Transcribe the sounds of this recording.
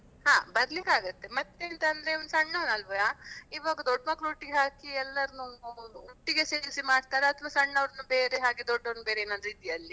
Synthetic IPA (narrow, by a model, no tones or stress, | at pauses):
hãːbɐɾlikaːɡut̪ːe̞mɐt̪ːeːnt̪ɐnd̪ɾeiʋɐnusɐɳːɐʋnɐlʋɐaːiːʋaːɡɐd̪ɔɖːmakːɾuːʈːiɡeɦaːkiɛlːɐɾnuuːʈːiɡe̞seːɾsimaːɽt̪aːɾeɐt̪ʰʋaːsɐɳːɐʋɾɐnːube̞ːɾeɦaːɡed̪ɔɖːɐnbe̞ːɾeːnɐnd̪ɾiːt̪ijɐlːi